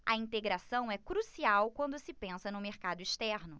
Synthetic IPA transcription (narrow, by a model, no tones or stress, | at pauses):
ɐĩt̪eɡɾasɐ̃w̃ɛkɾusiawkwɐ̃nd̪ʊsɪpẽsɐnʊmeɾkad̪ʊiʃt̪ɛɾnʊ